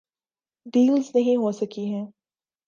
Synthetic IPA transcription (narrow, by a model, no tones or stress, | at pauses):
ɖ̪iːlznɐɦĩɦosɐkiɦɛ̃ː